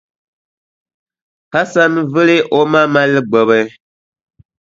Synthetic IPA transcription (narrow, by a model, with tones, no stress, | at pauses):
ka˦sa˦n˦vɨ˦li˦ʔo˦ma˦ma˦lɨ˦ɡ͡bɔ˨bɛ˦